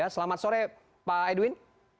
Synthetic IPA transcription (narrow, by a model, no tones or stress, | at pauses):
asəlamat̪̚soɾɛ | paeduwin